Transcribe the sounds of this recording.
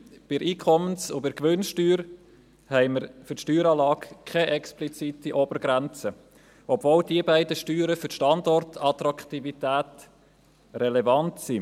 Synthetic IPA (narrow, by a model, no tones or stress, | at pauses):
b̥ɪɾʔiːkʰɔmənsʊbɪɾɡʋʏnʃtyːɾ | hɛɪməɾfʏɾtʃtyːɾɑːlɑːkkʰɛʔɛksplit͡sitiʔob̥əɾɡɾænt͡sə | ʔɔbvoːldiəbæɪdəʃtyːɾəfʏʃtɑndɔrtʰɑt̪ɾɑkt̪ivitæːt | rɛlɛvɑntsi